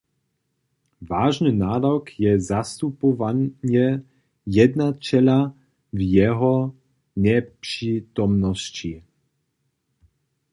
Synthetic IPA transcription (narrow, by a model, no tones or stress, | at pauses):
vaːʒnɨnaːɾɔkjɛzast̪upɔvanjɛ | jɛd̪nat͡ɕɛla | vjɛɦɔ | ɲɛpʂiːt̪ɔmnɔsci